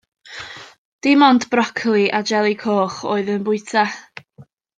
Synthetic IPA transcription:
d̥ɪmɔndbrɔkʰlˠiʔad͡ʒɛlˠikʰoːχoːɨðənbʊɨtʰa

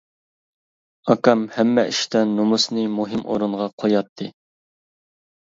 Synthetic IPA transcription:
ɑkɑmhɛmːɛʔiʃt̪ɛnːumusnɨmuɦɪmʔo̰ɾuɴʁɑqʰojɑt̪ʰːɨ

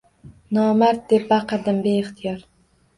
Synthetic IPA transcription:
nɒːmaɾt̪̚d̪ep̚baqɨɾd̪ɪmbeɪχt̪ʰɪjɒɾ

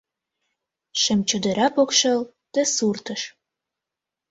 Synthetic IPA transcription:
ʃə̆mt͡ɕød̪ə̆ɾʔɑpokʃə̆l | d̪̥əsurt̪əʃ

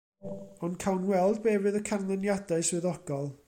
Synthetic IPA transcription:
ɔnkʰawnwɛlˠd̚bɛːvɨðəkʰanlˠɛnjadaɨswɨðɔɡ̥ɔlˠ

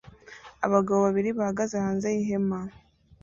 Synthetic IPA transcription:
aβaɡaβoβaβiɾiβahaɡazehaːnzejiɦe̞ma

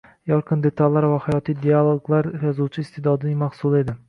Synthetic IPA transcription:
jɒɾqʰɨnd̪e̞t̪ʰalːaɾvahajɒt̪ʰijd̪ialˠoɡlˠaɾjɒzuwt͡ʃʰɪːst̪ʰed̪ɒd̪ɪnɪmahsulˠe̞d̪ɪ

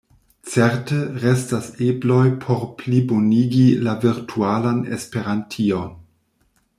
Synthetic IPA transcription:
t͡seɾteɾestaseblo̞jpʰo̞ɾpliboniɡilaviɾtʰualanḛspe̞ɾantʰion

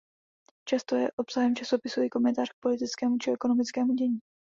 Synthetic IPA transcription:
t͡ʃast̪ojɛ̰ʔopsaɦɛmt͡ʃasopɪsuikomɛnt̪aːr̥k̚po̞lɪt̪ɪt͡skɛːmut͡ʃɪɛkonomɪt͡skɛːmuɟɛɲiː

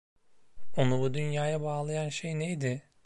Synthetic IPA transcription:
onubud̪ynjaːjabaːlˠajanʃejnejd̪ɪ

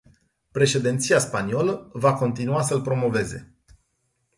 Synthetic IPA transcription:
pɾe̞ʃe̞d̪int̪siaspanio̞ləvako̞nt̪inuasəlpɾo̞mo̞ve̞ze̞

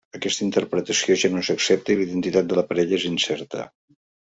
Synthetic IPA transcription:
əkɛst̪əint̪əɾpɾət̪əsioʒanozəksɛp̚t̪əiliðənt̪it̪at̪̚d̪ələpəɾɛʎəezinsɛɾt̪ə̰

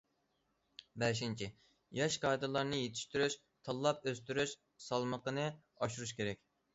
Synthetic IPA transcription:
bɛʃ̬int͡ʃʰiɪ | jɑʃqʰɑjd̪ɨlˠɑɾnɨjet̪ʰi̥ʃt̪yɾyʃ | t̪ʰɑlˠːɑpøst̪yɾyʃ | sɑlˠməqənɨ | ɑʃuɾuʃkʲʰeɾɛkʲ

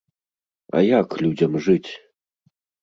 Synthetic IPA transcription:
ɐ̰jaklʲud͡zʲɐmʐɨt͡sʲ

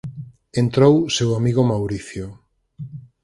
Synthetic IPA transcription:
ent̪ɾowsewamiɣomawɾiθjo

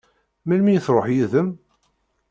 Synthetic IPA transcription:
mælmijθɾˤoħjiðəm

